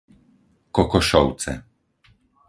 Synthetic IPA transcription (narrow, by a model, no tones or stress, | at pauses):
kɔkɔʃɔwt̪sɛ̰